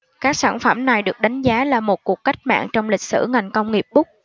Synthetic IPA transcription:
kaː˦˥k̚saː˧˩nfə˧˩mna˨˩jɗɨ˨˩ək̚ɗa˨˦jŋ̟zaː˨˦laː˨˩mo˨˩t̚ku˨˩kka˦˥k̚ma̰ː˧˨ŋt͡ɕɔ˧wŋ͡mlï˨˩k̚sɨ̰˧˩ŋa˨˩jŋ̟kə˧wŋ͡mŋi˨˩əp̚ɓʊ˦˥k͡p̚

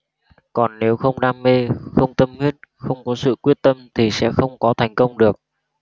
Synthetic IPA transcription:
kɔ˨˩nːe˨˦wxə˧wŋ͡mɗaː˧mːe˧xə˧wŋ͡mt̪ə˧mhwi˦˥ət̚xə˧wŋ͡mkɔ˨˦sɨ̰˧˨kwi˦˥ət̚t̪ə˧mt̪ʰi˨˩sɛ̰˧˥xə˧wŋ͡mkɔ˨˦t̪ʰa˨˩jŋ̟kə˧wŋ͡mɗɨ˨˩ək̚

